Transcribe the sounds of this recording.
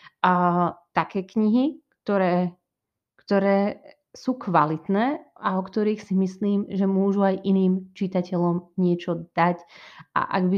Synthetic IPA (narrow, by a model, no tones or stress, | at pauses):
t̪akɛːkɲiɦikt̪ɔɾɛː | kt̪ɔɾɛː | suːkʋalit̪nɛːaɔkt̪ɔɾiːxsimisliːmʒɛmʊɔʒuajʔiniːmt͡ʃit̪acɛlɔmɲɪɛt͡ʃɔd̪̥acʔa̰ʔa̰ɡbi